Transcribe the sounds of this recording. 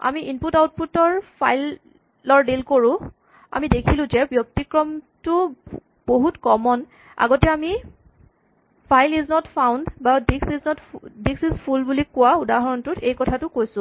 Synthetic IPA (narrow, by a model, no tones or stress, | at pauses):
a̰miʔinputawt̚putɔɹpʰajlː | ɔɹdilkoɹʊ̃ | a̰midekʰilʊ̃zɛbjɔk̚tikɹɔmtʊ | b̥oɦutkɔmɔn | a̰ɡɔtɛami | pʰajliznɔtpʰawndbadiksiznɔtdiksizpʰulbulikːʊwaudaɦɔɹɔntʊtejkɔtʰatʊkojsʊ̃